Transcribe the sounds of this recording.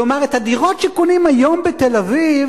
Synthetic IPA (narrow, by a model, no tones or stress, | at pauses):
omaʁet̪hadiʁo̞tʃekonimajo̞mbetelaviv